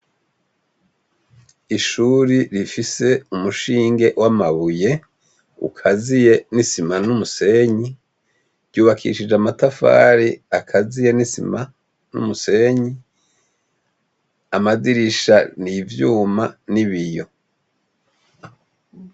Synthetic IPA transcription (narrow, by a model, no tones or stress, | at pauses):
iʃuːɾiɾifise̞umuʃiːŋɡe̞ʔwʔamaβuje̞ | ṵkʰazije̞nisimanumuse̞ɲi | ɾɟuːβakʰḭʃid͡ʒamatafa̰ːɾiakʰazije̞nisḭma | nṵmuse̞ɲi | amaziɾiʃanivjuːmaniβijo̞